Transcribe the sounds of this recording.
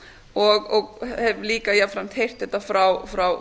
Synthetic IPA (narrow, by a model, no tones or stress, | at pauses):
ɔɣɔɣhɛvliːkajɛfɾamt̪ʰejr̥t̪θɛht̪ːafɾawfɾaw